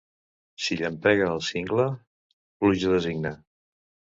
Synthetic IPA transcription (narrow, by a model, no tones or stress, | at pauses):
siʎəmpɛɣəːlˠsiŋɡlə | pluʒəðəziɡnə